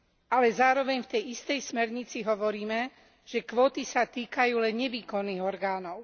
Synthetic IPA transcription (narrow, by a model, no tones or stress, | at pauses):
alɛzaːɾɔʋɛɲft̪ɛjist̪ɛjsmɛɾɲit͡siɦɔʋɔɾiːmɛ | ʒ̥ɛkʋɔːt̪isat̪iːkajuːlɛnɲɛʋiːkɔnːiːɣɔɾɡaːnɔʊ